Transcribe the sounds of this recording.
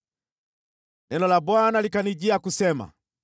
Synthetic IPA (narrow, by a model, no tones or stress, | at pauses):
nɛnɔlabwanalikaniɟiakusɛma̰